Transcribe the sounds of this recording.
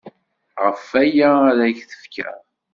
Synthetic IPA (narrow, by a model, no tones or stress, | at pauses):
ʁəfæjæɾæçθə̥fkʰæ̰